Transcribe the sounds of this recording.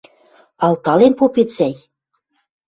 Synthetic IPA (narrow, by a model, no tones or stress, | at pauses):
ɑlt̪ɑlenpopet̪sæj